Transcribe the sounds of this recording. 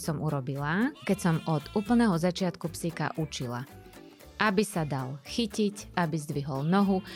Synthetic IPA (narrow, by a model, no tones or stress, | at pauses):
sɔmuɾɔbilakɛcsɔmɔd̪uːpl̩ˠnɛɦɔzat͡ʃɪat̪kupsika̰ʔut͡ʃila̰ | ʔabisad̪alxicicabizd̪ʋiɦɔlnɔɦu